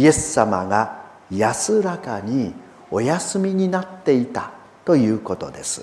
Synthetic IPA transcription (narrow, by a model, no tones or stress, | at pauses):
ije̞sːama̰ɡa | jasɨɾakaɲ̟i | o̞jasɨmʲiɲ̟inat̪ːe̞it̪a | t̪o̞jɯ̟ːko̞t̪o̞̰d̪e̞sɨ̥